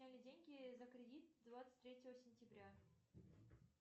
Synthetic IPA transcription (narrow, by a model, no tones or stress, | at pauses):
nʲælʲɪdʲenʲɡʲɪzəkɾʲɪdʲit̪̚d̪vat̪sɨ̥t̚ʲt̪ʲːɾʲetʲɪvəsʲɪnʲtʲɪbɾʲa